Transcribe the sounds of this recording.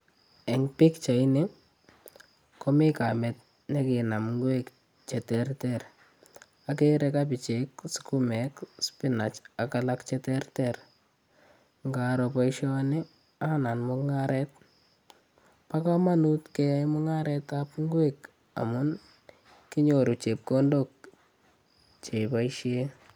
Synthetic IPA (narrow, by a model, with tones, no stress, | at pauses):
ɛ˨ŋpɪ˦kt͡ʃa˨ɪnɪ˦ | kɔ˦mɪ˦ka˨mɛ˨t̚ | ne˦kɪ˨na˨mŋɡwek | t͡ʃɛ˨tɛrtɛɾ | ak̬eɾɛkapɪ˨t͡ʃeksʊ̥kumɛkspɪna˨t͡ʃa˨kalakt͡ʃɛtɛrtɛr | ŋɡaɾɔpa˦iʃɔ˦nɪ˦ | a˦na˨nmʊŋaɾʔɛt̚ | pa˦ka˦ma˦nu˦tkɛ˦jaɪmʊ˦ŋa˦ɾɛtapŋɡwek | a̰mʊ˦n | ki˦ɲo˨ɾu˨t͡ʃe˨p̚ko˦ndok̚ | t͡ʃe˨paiʃje